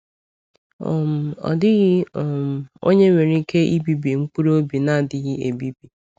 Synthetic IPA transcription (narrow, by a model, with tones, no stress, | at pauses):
ɔ̰˨m̩˨ɔ̰˨dɪ˦ɣɪ˦ɔ˨m̩˨o̰˦ɲe˦ŋʷe˨ɾi˦ke˦i˦bi˦bi˨ŋ͡m̩˦k͡pu˦ɾo˦bi˨na˦˨dɪ˨ɣɪ˦e˨bi˦bi˨